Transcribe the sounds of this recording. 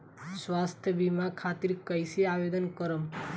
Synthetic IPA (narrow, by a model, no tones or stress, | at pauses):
sʋast̪ʰjəbimãkʰat̪iɾkəjsiaʋed̪ənkəɾəm